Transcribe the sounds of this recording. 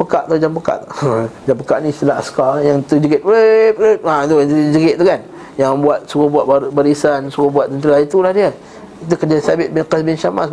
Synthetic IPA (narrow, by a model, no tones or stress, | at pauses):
pəkaʔt̪ad͡ʒampəka̰ʔ̪d͡ʒampəkaʔnĩst̪əlaɦaskajaŋt̪ud͡ʒəɡɪt̪̚lepleat̪ut̪ud͡ʒəɡɪʔ̪̚t̪ukan | jaŋbuat̪̚sukabuat̪̚babaɾisansukabuat̪̚t̪ːənt̪əɾait̪ulahdia | it̪ukəd͡ʒasabɪt̪̚bɪnkəsbɪnʃama̰s